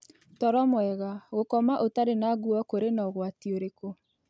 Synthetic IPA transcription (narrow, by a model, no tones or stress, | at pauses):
tɔɾɔmwɛɣaɣokɔmaʔotaɾenaɣuɔkoɾenɔɣwatioɾeko